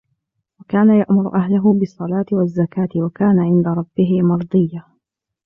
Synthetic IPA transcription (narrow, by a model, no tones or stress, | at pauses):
wakaːnajaʔmʊɾ̰ʔaɦlʊɦʊbɨsˤːɑlaːt̪ɪwazːakaːt̪ɪwakaːnaʕɪnd̪aɾˤɑbːɪɦɪmɑɾˤd̪ˤɨjːa